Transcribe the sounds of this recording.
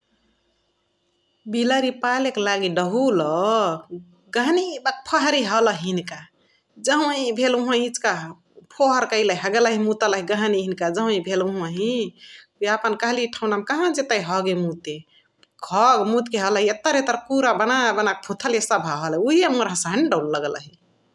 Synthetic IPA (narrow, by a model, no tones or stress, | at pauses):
biləɾipaleklaɡiɖəɦulɔ | ɡəɦnibak̚pʰəɦɾiɦələɦinka | d͡ʒəɦw̃ibʱeluɦãɦit͡ʃka | pʰoɦəɾkəjləiɦəɡelaɦĩmut̪ələɦiɡəɦniɦinkad͡ʒəɦũĩbʱeluɦãɦĩ | uiapənkəɦliʈʰaʊnamkaɦãd͡ʒet̪əiɦɔɡemut̪e | ɡʰʱɔɡmut̪keɦələɦiet̪ːəɾet̪əɾkuɾabənabənak̚pʰut̪ʰəlesəbʱaɦəliuɦimuɾãsəɦəɳɖəwlːəɡlə̰ɦi